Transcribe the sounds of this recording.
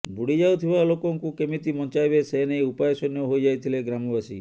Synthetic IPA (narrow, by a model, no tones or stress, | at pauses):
bʱuɽid͡ʒawt̪ʰibalokɔŋkukemit̪imɔnt͡ʃajbeseɦenejupajesɔnjɔɦojd͡ʒajt̪ʰileɡɾamɔbasḭ